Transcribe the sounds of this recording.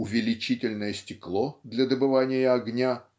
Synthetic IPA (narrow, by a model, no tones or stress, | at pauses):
ʊvʲɪlʲɪt͡ɕitʲɪlʲnəjəsʲtʲɪklˠod̪lʲɐd̪əbɨvanʲɪjəɐɡnʲa